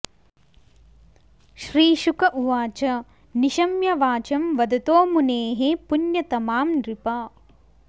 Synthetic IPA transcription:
ʃɾiːʃukɐʔuʋaːt͡ʃɐ | niʃɐmjɐʋaːt͡ʃɐmʋɐd̪ɐt̪oːmuneːɦepunjɐt̪ɐmaːmɾipɐ

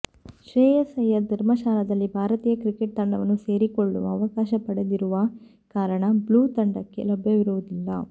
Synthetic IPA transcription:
ʃɾeːjɐsɐjɐd̪ʱɐɾmɐʃaːlɐd̪ɐlːibʱaːɾɐt̪iːjɐkɾikeʈ̚t̪ɐɳɖɐʋɐnːuse̞ːɾikoɭːuʋɐːʋɐkaːʃɐpɐɽed̪iɾuʋɐ | kaːɾɐɳɐbluːt̪ɐɳɖɐkːe̞̰lɔbʱjɐʋiɾuʋud̪ilːɐ̰

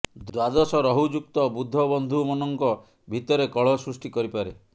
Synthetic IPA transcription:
d̪wad̪ɔsɔɾɔɦud͡ʒuk̚t̪ɔbud̪ʱːɔbɔnd̪ʱumɔnɔŋkɔ | bʱit̪ɔɾekɔɭɔsɾusʈikɔɾipaɾe

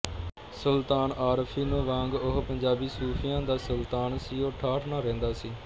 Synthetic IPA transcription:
səlt̪aːnʔaːɾpʰiːnũːʋãːŋɡʊɦpəɲd͡ʒaːbiːsuːpʰɪjãːd̪aːsəlt̪aːnsiːoːʈʰaːʈʰnaːɾɛ̃ːnd̪aːsiː

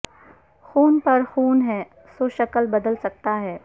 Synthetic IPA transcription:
xuːnpɐɾxuːnɦɛː | soːʃɐkəlbɐd̪əlsɐk̚t̪aɦɛː

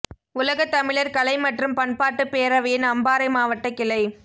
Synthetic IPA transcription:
ʊlɐɣɐt̪ːɐmɪɭɐɾkɐlɐɪmɐʈrɯmpɐɳpaːʈːɯpeːɾɐʋɐjɪnɐmbaːɾɐɪmaːʋɐʈːɐkɪlɐɪ

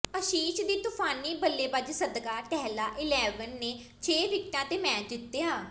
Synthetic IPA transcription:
əʃiːʃd̪iːt̪ʊpʰaːniːbəlːeːbəd͡ʒsəd̪ɡaːʈɛɦlaːʔɪlɛːʋənːeː | t͡ʃʰeːʋɪk̚t̪ãːt̪eːmɛ̃ːt͡ʃd̪ɪt̪ːeːaː

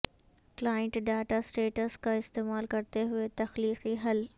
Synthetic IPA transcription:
klaːɪ̃ɳʈɖaːʈasʈeːʈəskʰãɪst̪eːmaːlkɐɾɪt̪eɦʊet̪ɐxliːqiɦɐl

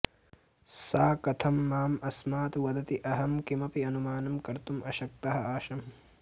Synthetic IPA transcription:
saːkɐt̪ʰɐmːaːmɐsmaːt̪ʋɐd̪ɐt̪iʔɐɦɐmkimɐpiɐnumaːnɐmkɐɾt̪umʔɐʃɐk̚t̪ɐɦɐaːʃɐm

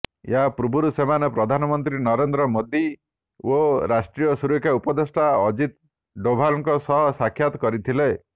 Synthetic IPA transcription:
jḛɦapɾubʱuɾusemanɔpɾɔd̪ʱanɔmɔnt̪ɾinɔɾend̪ɾɔmod̪i | oɾasʈɾijɔsuɾekʰːjaupɔd̪esʈaɔd͡ʒit̪ | ɖobʱalɔŋkɔsɔɦɔsakʰːjat̪ɔ̥kɔɾit̪ʰile

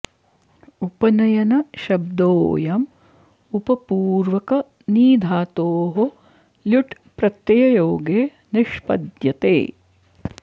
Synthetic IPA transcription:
upɐnɐjɐnɐʃɐb̚d̪oːjɐm | upɐpuːɾʋɐkɐ | niːd̪ʱaːt̪oːɦo | ljuʈ | pɾɐt̪jɐjɐjoːɡeː | niʃpɐ̰d̪jɐt̪ḛː

